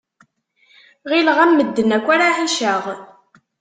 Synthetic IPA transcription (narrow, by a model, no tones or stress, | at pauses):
ʁilʁæmːəd̪ːənækʷːaɾaħaʃəʁ